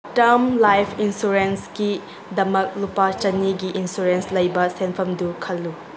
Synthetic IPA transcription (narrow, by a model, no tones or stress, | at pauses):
tɐɾmlajpʰinsuɾensɡi | dɐmɐk̚lupat͡ʃɐnːiɡiʔinsuɾenslɐjbɐsenpʰɐmdukʰɐlːu